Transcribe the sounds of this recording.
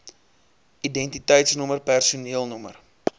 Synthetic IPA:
ʔidɛntitɛjtsnɔmərpærsuniəlˠnɔmə̰r

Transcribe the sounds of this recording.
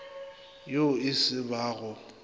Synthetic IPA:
joɪsɪbaːɣʊ

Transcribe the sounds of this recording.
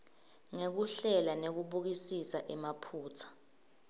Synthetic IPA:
ŋek̬uɬɛlanek̬uɓuk̬isisaʔɛmapʰuːtʰḁ

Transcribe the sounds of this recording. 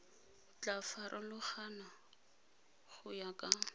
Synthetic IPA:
t͡ɬafaɾʔɔlʊχana | χʊjakʼa

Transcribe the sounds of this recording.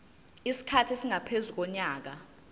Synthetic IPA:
isi̥kʰatʰisiŋapʰezuk̬ɔɲaːk̬a

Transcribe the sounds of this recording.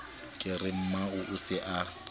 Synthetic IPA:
kʼɪrɪm̩maʊʔʊsɪʔa

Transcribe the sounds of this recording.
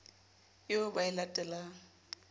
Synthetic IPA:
jobaɪlatʼɛla

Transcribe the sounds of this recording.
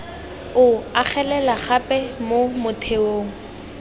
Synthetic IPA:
ʊaχʰɛlɛlaχapʼɛmomʊtʰeoːŋ̩

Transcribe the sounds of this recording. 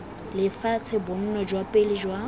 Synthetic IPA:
lɪfat͡sʰɛbʊn̩nɔd͡ʒwapʼelɪd͡ʒwa

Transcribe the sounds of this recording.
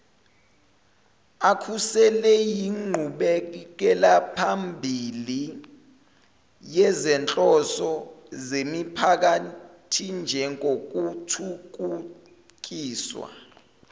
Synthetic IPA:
akʰusɛlɛjiŋ͡ǃʱuɓɛk̬ɛlapʰambʱili | jɛzɛnt͡ɬʼɔsɔzemipʰak̬atʰind͡ʒʱɛŋok̬utʰuk̬u | k̬iːswa̰

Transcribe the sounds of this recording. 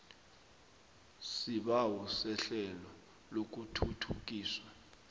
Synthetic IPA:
siɓawɔsɛɬɛlɔ | lok̬utʰutʰuk̬ʼiːswa

